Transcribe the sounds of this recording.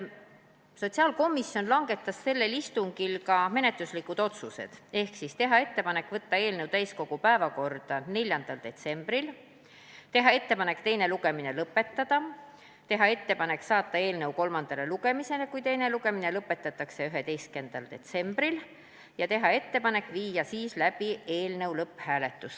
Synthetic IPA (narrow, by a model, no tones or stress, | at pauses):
so̞t̪ʲsiɑːlko̞misjo̞nlɑŋɡ̥e̞t̪ːˑɑsse̞lːe̞list̪uŋɡ̥ilkɑme̞ne̞t̪luslikud̪̥o̞t̪suse̞̰d̪̥e̞hksist̪e̞ɦɑe̞t̪ːe̞pɑnekːˑvɤt̪ːɑe̞ːlnewt̪æjsko̞ɡ̥upæevɑko̞rd̪̥ɑne̞lʲjɑnd̪̥ɑld̪̥e̞t̪se̞mb̥ɾil | t̪e̞ɦɑe̞t̪ːe̞pɑne̞kt̪e̞jne̞luɡ̥e̞mine̞lɤpːe̞t̪ːɑd̪̥ɑ | t̪e̞ɦɑe̞t̪ːe̞pɑne̞ksɑːt̪ˑːɑe̞ːlnewko̞lmɑnd̪̥ɑle̞luɡ̥e̞mise̞le̞kujt̪e̞jne̞luɡe̞mine̞lɤpːˑe̞t̪ːˑɑt̪ːˑɑkse̞yɦe̞t̪e̞jske̞nd̪̥ɑld̪e̞t̪se̞mb̥ɾil | jɑt̪e̞ɦɑe̞t̪ːe̞pɑne̞kːˑviːjɑsiːslæb̥ie̞ːlnewlɤpːˑhæːle̞t̪ːˑus